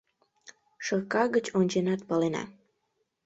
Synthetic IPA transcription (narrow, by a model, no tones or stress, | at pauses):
ʃɤkɑɣət͡ɕonʲt͡ɕenɑt̪̚pɑlenɑ̰